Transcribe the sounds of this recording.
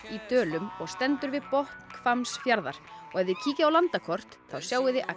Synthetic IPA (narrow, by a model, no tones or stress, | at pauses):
it̪œːlʏmɔɣst̪ɛnt̪ʏɾvɪðpɔht̪kfamsfjaɾða̰ɾ̥ɔɣɛvðɪcʰiːcɪawlant̪akʰɔr̥t̪θawsjaːwɪðɪʔa